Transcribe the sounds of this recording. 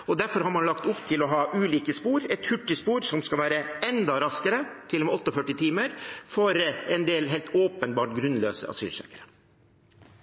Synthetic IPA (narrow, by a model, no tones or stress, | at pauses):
ɔd̪æɾfɔɾhɑɾmɑnlɑkt̪ʊpt̪ʰɪlɔɦɑːʔʉːliːkəspuːɾɛt̪hʉʈːɪspuːɾsɔmskɑlʋæːɾəɛnd̪ɑɾɑskəɾət̪ʰɪlːɔmɛɔt̪ːəɔfœʈːɪt̪ʰiːməɾfɔɾɛnd̪eːlɦɛɪlt̪oːpənbɑːʈɡɾʉnlø̰ːsə̰ɑ̰sy̰ːlsœ̰ːkəɾə